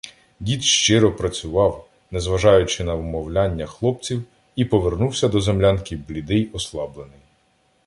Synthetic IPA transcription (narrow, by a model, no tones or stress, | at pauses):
dʲid̪ʃt͡ʃɪɾɔpɾɐt͡sʲʊʋɑw | nɛzʋɐʒɑjʊt͡ʃɪnɐʋmɔwlʲanʲːɐxlˠɔp̚t͡sʲiw | ipɔʋe̞rnuwsʲɐd̪ɔzemlʲankɪblʲid̪ɪjɔslˠɑblˠenɪj